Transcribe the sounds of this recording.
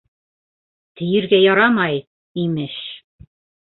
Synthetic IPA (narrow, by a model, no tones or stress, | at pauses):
t̪ɘ̆jɘ̆ɾɡæjɑɾɑmɑj | imɘʃ